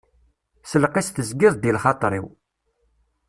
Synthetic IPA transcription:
səlqist̪əzɡɪðˤd̪ilχɑt̪ˤɾˤḭw

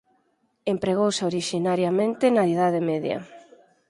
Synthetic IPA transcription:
empɾeɣowseoɾiʃinaɾjamẽnt̪enaiðað̞emeðjɐ̰

